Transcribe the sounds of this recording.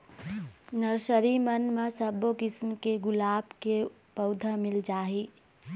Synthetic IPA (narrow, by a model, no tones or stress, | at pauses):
nəɾsəɾimənmasəbokismkeɡʊlabke | pəʊd̪ʱəmild͡ʒaɦi